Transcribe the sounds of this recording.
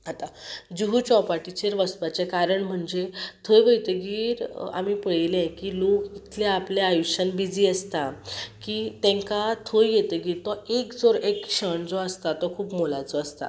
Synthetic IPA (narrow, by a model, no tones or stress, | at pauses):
at̪ad͡ʑuɦut͡ɕɔpaʈit͡ɕeɾʋəst̪ʋat͡sekaɾəɳm̤əɳd͡zet̪ʰəjʋəjt̪əɡiːɾa̰mipəɭelẽkilokit̪ʰleapleajuɕənbid͡ziəst̪akiːt̪ẽŋkat̪ʰəjjet̪əɡiːɾt̪ɔekd͡zɔɾekɕəɳd͡zɔəst̪at̪ɔkʰuːpmolat͡sɔəst̪a̰